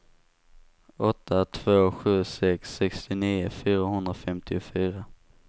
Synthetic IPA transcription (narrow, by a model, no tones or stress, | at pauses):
ɔt̪ʰːat̪ʰv̥oːɧʉ̟ːsɛksːɛkst̪ɪniːʊ̰fyːɾaɦɵnd̪ɾafɛmt̪ʰɪʊfyːɾa